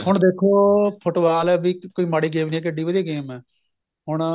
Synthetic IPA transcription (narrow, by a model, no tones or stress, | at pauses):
ɦʊɳd̪eːkʰoːpʰʊʈʋaːlɛbiːkoːiːmaːɽiːɡeːʋnĩːɛːk̬ɪɖiːʋəd̪ijaːɡeːmɛː | ɦʊɳ̃